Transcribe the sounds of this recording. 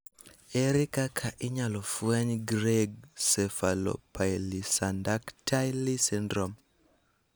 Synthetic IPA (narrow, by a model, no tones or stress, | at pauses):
eɾikakʰaʔɪɲalɔfwaɲɡɾeɡsɛfalo̰pajlisandaktʰajlisindɾom